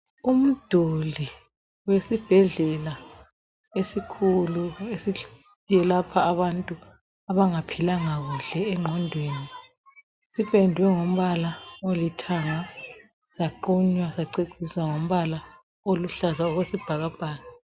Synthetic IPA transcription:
um̩d̥ʱoli | wesib̥ʱɛɮɛla | esikʰuluesi | ijɛlapʰaːβantʼu | aβaŋapʰilaŋaɣuɬɛːŋ͡ǃʱɔndʱweːni | sipʰʼendʱwɛŋom̩βalaolitʰaŋa | saǃuɲwasaǀeǀʰiswaŋom̩βala | oluɬazaɔɣwesib̥ʱaɣab̥ʱaːɣa

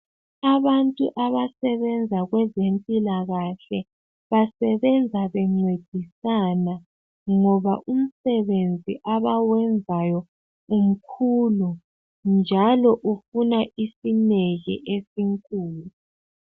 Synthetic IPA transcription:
aβantʼṵʔaβasɛβɛnd͡zʱaɣwɛzempʼilaɣaɬɛ | βasɛβɛnd͡zʱaβɛŋ͡ǀed̥ʱisana | ŋɔβaʔum̩sɛβend͡zʱiʔaβawɛnd͡zʱajɔ | um̩kʰulu | nd͡ʒʱalɔʔufunaʔisineɣḭʔesiŋkʼuːlu

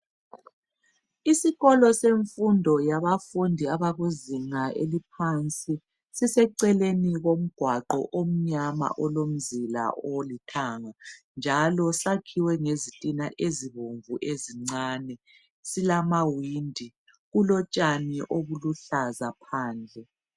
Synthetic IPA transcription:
isiɣɔlɔseɱfundʱɔjaβafundʱiaβaɣuziŋaʔelip̚ʰant͡sʼi | sisɛǀɛleniɣom̩ɡ̥ʱwaǃɔ̰ʔom̩ɲama̰ʔɔlom̩zila̰ʔolitʰaŋa | nd͡ʒʱalɔsakʰiwɛŋezitʼinaʔeziβoɱvuʔeziŋ͡ǀaːnɛ | silamawindʱi | ɣulɔt͡ʃʼaniʔoβuluɬazapʰaːnd͡ɮʱɛ

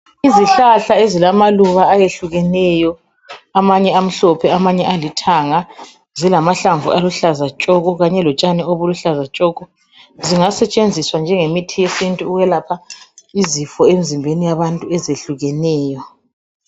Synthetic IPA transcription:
iziɬaɬaezilamaluβaːjeɬuɣɛnɛjɔ | amaɲɛam̩ɬɔpʰɛamaɲɛʔalitʰaŋa | zilamaɬaɱvṵʔaluɬazat͡ʃʼɔɣʼɔɣaɲɛlɔt͡ʃʼanɛoβuluɬazat͡ʃʼɔːɣɔ | ziŋasɛt͡ʃʼend͡zʱiswand͡ʒʱɛŋemitʰijesintʼuːɣwɛlapʰaizifɔemizimbʱenijaβantʼuɛzeɬuɣɛnɛːjɔ

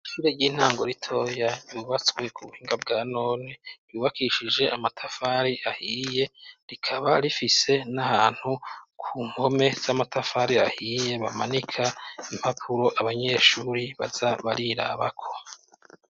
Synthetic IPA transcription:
iʃuːɾeɾɟiːn̥haːŋɡo̞ɾitʰo̞ːjaɾjuːβat͡swe̞kʰuβuhiːŋɡabɡaːno̞ːniɾjuːβakʰiʃid͡ʒe̞ʔamatʰafaːɾiʔahije̞ɾikʰaβaɾifise̞nahaːn̥hukʰuːŋɡo̞me̞z̥amatʰafaɾiahije̞βamanikʰaim̥hapʰuɾo̞ʔaβaɲe̞ʃuːɾiβa̰zaβaɾiɾa̰βakʰo̞̥

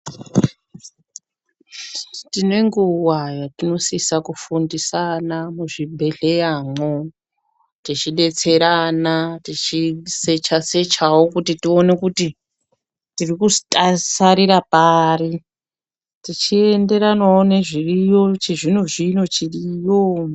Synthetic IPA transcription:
tine̞ŋɡuwajatino̞sisakufundisanamuʐibʱe̞ɮe̞jamo | tit͡ʃiɗe̞t͡se̞ɾanatit͡ʃise̞t͡ʃase̞t͡ʃawokutitio̞ne̞kuti | tirikutʼasaɾiɾapari | tit͡ʃie̞nde̞ɾanaone̞ʐirijo̞t͡ʃeʐinuʐino̞t͡ʃirijo

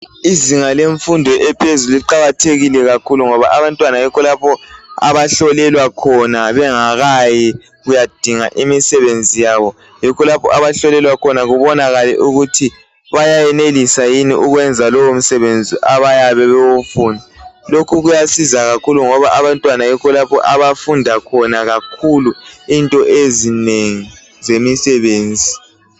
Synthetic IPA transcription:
iziŋaleɱfundʱɔʔɛpʰezuliǃaɣatʰeɣilɛɣakʰuluŋɔβa̰ʔaβantʼwanajɔkʰɔlapʰɔa̰βaɬɔlɛlwakʰɔnaβɛŋaɣajɛ | ɣujad̥ʱiŋa̰ʔimisɛβend͡zʱijaβɔ | jɔkʰɔlapʰɔ̰ʔaβaɬɔlɛlwakʰɔnaɣuβɔnaɣalɛ̰ʔuɣutʰi | βajajɛnelisajiniʔuɣwɛnd͡zʱalɔwom̩sɛβend͡zʱiʔaβajaβɛβewufuːndʱalokʰuɣujasizaɣakʰuluŋɔβaʔaβantʼwanajɛkʰɔlapʰɔ̰ʔaβafundʱakʰɔnaɣakʰuluintʼɔʔezineŋi | zemisɛβeːnd͡zʱi

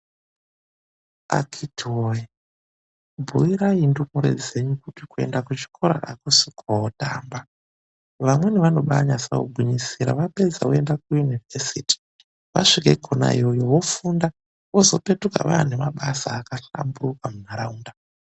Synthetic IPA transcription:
a̰kʰitʰiwoji | bʱuiɾaindukuɾe̞̰d͡ze̞ɲukupikue̞̰ndakut͡ʃi̥kʰo̞ɾa̰ʔakusikʰoota̰ːmba | ʋamwe̞neʋano̞ɓaɲasawo̰ɡʱuɲisiɾa̰ʋape̞d͡zawoe̞ndakujunivesiːti̥ | ʋa̰ʂikekʰona̰ḭjojo̞wo̞funda | wozo̞pe̞tuka̰ʋa̰ane̞maɓasaːkaɬa̰mburukamunaɾauːnda

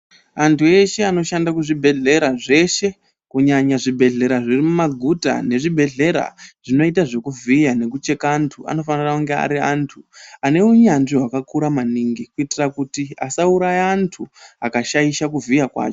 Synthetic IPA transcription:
antʰue̞ʃe̞ano̞ʃandakuʐibʱe̞ɮe̞ɾaʐe̞ʃe̞ | kuɲaɲaʐibʱe̞ɮe̞ɾaʐirimumaɡʱuta̰ne̞ʐibʱe̞ɮe̞ɾa̰ʐ̥ino̞itaʐe̞kuvijane̞k̬ut͡ʃe̞kaːntʰua̰no̞fanirauŋɡea̰ɾiaːntʰuane̞uɲanʐiɦwakakuɾamaniːŋɡikuitirakutiasauɾajeantʰuakaʃaiʃak̬uvijakwa̰ːt͡ʃo

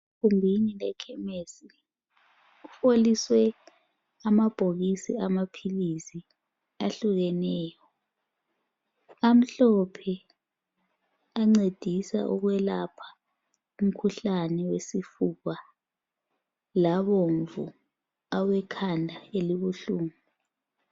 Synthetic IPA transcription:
kumbʱinilɛkʰɛmesi | ufoliswɛ | amab̥ʱoɣisḭamapʰilisi | aɬuɣɛnɛːjɔ | am̩ɬɔpʰɛ | aŋ͡ǀed̥ʱisa̰ʔuɣwɛlapʰḁ | um̩kʰuɬanɛwesifuɣa | laβoɱvṵ | awɛkʰandʱaeliβuɬuːmu

